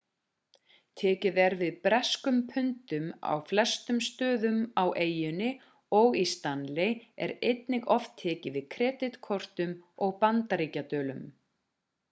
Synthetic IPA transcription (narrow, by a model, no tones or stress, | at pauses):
t̪ʰɛːcɪðɛɾvɪðpɾɛskʏmpʰʏnt̪ʏma̰wflɛst̪ʏmst̪œːðʏmawʔeːjʏnɪ | ɔɣist̪anlɪɛ̰ɾejt̪nɪɣɔft̪ʰːɛːcɪvɪðkʰɾɛːt̪ɪt̪kʰɔr̥t̪ʏmɔɣpant̪aɾiːcat̪œːlʏm